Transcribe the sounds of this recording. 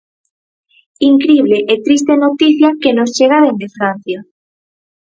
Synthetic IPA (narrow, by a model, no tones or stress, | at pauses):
iŋkɾiβ̞leʔet̪ɾis̬t̪enot̪iθjakenost͡ʃeɣ̞aðend̪efɾan̟θja